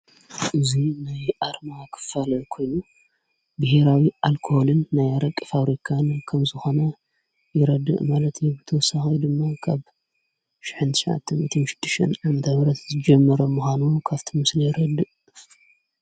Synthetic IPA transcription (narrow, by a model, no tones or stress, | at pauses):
ʔɨzinajʔaɾmakʰɨ̥falɐkʰo̞jnu | bɨhe̞ɾawiʔalkʰoholɨnːajaɾɐkʼːɨfaβɾikʰankʰɐmzɨxo̞nɐ | jɪɾɐd̪ːɨ̰ʔmalɐt̪ʰjɛbɨt̪ʰɐwɔsaxid̪ɨmːakʰaβ | ʃɪ̥ħɨnt̪ʰɨ̥ʃʕa̰t̪ʰːɨmɨt̪ʰɐnʃɨ̥d̪̥ːɨʃʔɨnʕamɐt̪ʰɐβɾɐt̪zɨd͡ʒɐmːɐɾomːuxʷanukʰaβt̪ʰimɨslɐjɪɾɐd̪ɨʔ